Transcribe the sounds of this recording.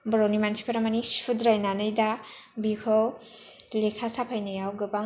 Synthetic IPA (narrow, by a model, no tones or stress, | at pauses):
bɾonimansʰi̥pʰaɾamɐnisudɾajnanɯjda | bikʰɔw | lekʰasapʰajnɐjawɡɯba